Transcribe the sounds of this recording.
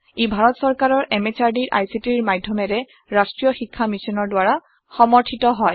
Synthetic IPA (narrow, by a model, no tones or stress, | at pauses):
ebʱaɹɔtsɔɹkaɹɔɹʔɛmet͡ʃaɹdiɹʔa̰jsitiɹmadʱjɔmɛɹɛ | ɹastɹijɔxikʰːamisɔnɔɹdwaɹa | xɔmɔɹtʰitɔɦɔj